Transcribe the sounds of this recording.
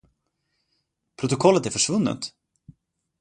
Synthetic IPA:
pʰɾʊt̪ʊkʰɔlːət̪æɾfœʂvɵnːə̰t̪

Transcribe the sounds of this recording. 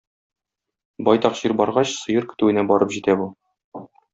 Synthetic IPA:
bɒjt̪ɒqʑiɾbɒɾʁɑɕsɤ̆jɤɾkɘ̥̆t̪ʉɘ̆næbɒɾɤpʑit̪æbu

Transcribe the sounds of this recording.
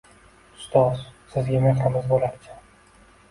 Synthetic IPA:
ʊ̥st̪ʰɒz̥sɪzɡʲameχamɪzbolaɾt͡ʃʰḁ

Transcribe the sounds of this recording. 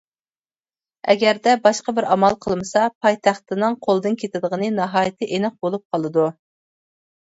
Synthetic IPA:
ɛ̰ɡʲæɾd̪ɛbɑʃqɑbɪɾɑmɑlˠqʰəlˠmɨsɑpʰɑjt̪ʰɑχt̪ɨnɨŋqʰolˠd̪ɨnkʲʰet̪ʰɪd̪əʁənɨnɑɦɑːjɪt̪ʰɨʔenɨq̚bolˠup̚qʰɑlˠɨd̪u

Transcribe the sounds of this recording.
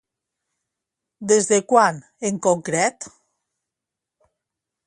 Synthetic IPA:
d̪ezðekwan | eŋkoŋkɾɛt̪

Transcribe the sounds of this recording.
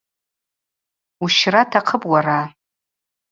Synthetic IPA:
uʃratʰaqʰəpʼwara

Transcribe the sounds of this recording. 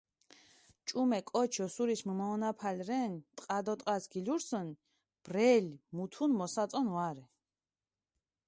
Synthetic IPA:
t͡ʃʼumɛkʼɔt͡ʃʰɔsuɾismumaɔnapʰalɾɛnt̪ʼqʼad̪ɔt̪ʼqʼasɡiluɾsɔn | b̥rɛlmut̪ʰunmɔsat̪sʼɔnwaɾɛ

